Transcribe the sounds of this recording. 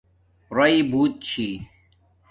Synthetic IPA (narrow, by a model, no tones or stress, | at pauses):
ɾɐibʱuːt̪̚t͡ɕʰi